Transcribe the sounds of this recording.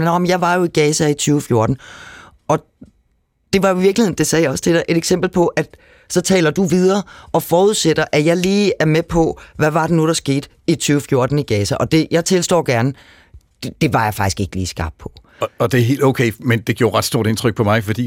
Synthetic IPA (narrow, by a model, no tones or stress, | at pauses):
nɒmnjɑ̈ɪʋɑ̈jo̝iɡ̥ɛːsæit͡sʰyːʊfjo̝ɐd̥n̩ | ɒ̽ | d̥e̝ʋɑ̈joiʋiɐ̥lihe̝n̩d̥e̝sɛːjɑɒ̽st͡sʰe̝ɾɛʔe̝ɾ̥eɡ̥sem̰b̥l̩pʰɒ̽ʔæ̥ | sɒ̽t͡sʰɛ̰ːlɐd̥uʋið̞ˠɐːʔɒ̽fɒːuð̞̩ˠsed̥ɐʔæjɑ̈ɪliːæɐmepʰɒ̽ʋæʋɑ̈d̥e̝nud̥ɑ̈sɡ̥e̝̰ːd̥ | it͡sʰyːʊfjo̝ɐd̥n̩iɡ̥ɛːsæʔɒ̽d̥e̝jɑ̈ɪt͡sʰe̝lsd̥ɒ̰ːɡ̥æɐn | d̥e̝ʋɑ̈jɑ̈ɪfɑ̈ɡ̥isɡ̥e̝ɡ̥lḭːsɡ̥ɑ̈ːb̥̚pʰɒ̽ | ɒd̥e̝æɐɦe̝̰ːld̥oʊkʰeɪmend̥e̝ɡ̥jo̰ːɐʁɑ̈d̥sd̥o̝ɐɾ̥e̝nt͡sʰʁœɡ̥̚pʰɒ̽mɑ̈ɪfɒd̥ḭː